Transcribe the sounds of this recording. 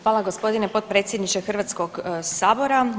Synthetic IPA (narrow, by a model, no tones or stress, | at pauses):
xʋaːlˠaɡospo̞d̪inepo̞t̪̚pɾe̞ːt̪sʲjed̪nit͡ʃexrʋat̪skoɡsaːbo̞ɾa